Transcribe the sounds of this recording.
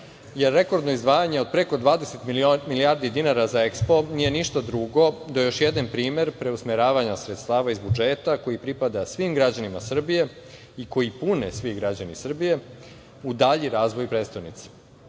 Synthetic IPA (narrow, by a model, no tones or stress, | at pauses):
jeɾːe̞ko̞ɾd̪no̞izd̪ʋaːjaɲe̞o̞d̪̚pɾe̞ko̞d̪ʋaːd̪eset̪milijaːɾd̪id̪inaɾazaekspo̞nije̞niʃt̪ad̪ɾuɡo̞d̪aejo̞ʃjed̪anpɾiːme̞ɾpɾe̞usmeɾaːʋaɲasɾet̪st̪aːʋaizbud͡ʒeːt̪ako̞jipɾipad̪asʋimɡɾad͡ʑanimasr̩bije̞ | iko̞jipunḛsʋiɡɾad͡ʑanḭsr̩bije̞ | ud̪aʎiɾaːzʋo̞jpɾet̪st̪anit̪se̥